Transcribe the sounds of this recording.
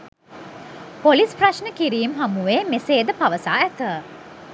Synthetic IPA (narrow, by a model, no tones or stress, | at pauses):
polispraʃnəkiɾiːmɦamuʋeːmeseːd̪əpaʋəsaːæt̪ə